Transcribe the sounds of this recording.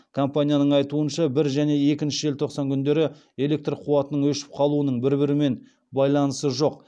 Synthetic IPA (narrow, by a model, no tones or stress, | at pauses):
kʰo̞mpanʲijanəɴɑjt̪uənʃɑbɪɾʒæne̞e̞kʲɪnʃɪʒe̞lt̪ʰo̞qsɑŋkʲʰʏnd̪e̞ɾɪ | e̞le̞k̚t̪rqʰuwɑt̪ənəɴwɵʃɪ̥p̚qʰɑlˠuənəɴbɪɾbɪɾɪme̞n | bɑjlˠɑnəsəʒo̞q̚